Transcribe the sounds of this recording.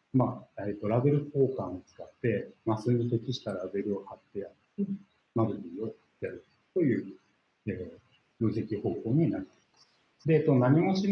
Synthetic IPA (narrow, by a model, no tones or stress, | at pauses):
maet̪ːo̞ɾabe̞ɾɯ̟ko̞ːkãɰ̃ot͡sɨ̥kat̪ːe̞masɨɲit̪e̞kʲiɕi̥t̪aɾabe̞ɾɯ̟o̞hat̪ːe̞jat̪ːe | mad̪oɾʲiːo̞ht̪ːejaɾɯ̥ | t̪o̞jɯ̟ː | e | joːsekʲiho̞ːko̞ːɲ̟inaɾit̪emasɨ | d̪e̞ːt̪ːonaɲ̟io̞ɕi